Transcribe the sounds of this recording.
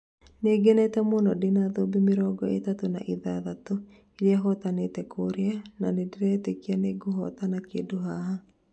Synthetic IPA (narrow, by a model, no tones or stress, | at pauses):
neːɡɛnɛtɛmonɔdenaðobemɪɾɔɡɔḛtatona̰ʔiðaðato | eɾeaɦɔtanetɛkʰoɾeananedeɾɛːtekianeɡoɦɔt̪anakedoɦaɦa